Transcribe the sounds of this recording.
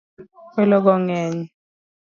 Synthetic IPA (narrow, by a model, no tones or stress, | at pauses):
kɛlɔk̬ɔŋɛːɲi